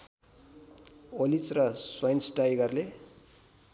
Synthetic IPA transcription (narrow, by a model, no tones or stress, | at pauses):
olit͡srʌswajnsʈajɡʌrle